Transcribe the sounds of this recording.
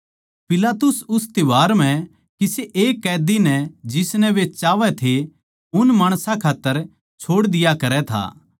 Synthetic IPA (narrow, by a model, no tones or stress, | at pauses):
pɪlaːt̪ʊsʊst̪ɪʋaːɾm̤ɛ̃ | kiseʔeːkːɛːd̪inɛd͡ʒɪsnɛʋet͡ʃaːʋɛt̪ʰe | ʊnmaːɽ̃sãkʰaːt̪ːəɾ | t͡ʃʰoːɽd̪ɪjakɐɾɛt̪ʰa̰ː